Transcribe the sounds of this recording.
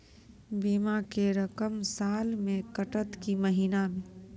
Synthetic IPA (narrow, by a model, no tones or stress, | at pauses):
biːmakeɾɐkəmsaːlmẽkəʈət̪kiməɦiːnamẽː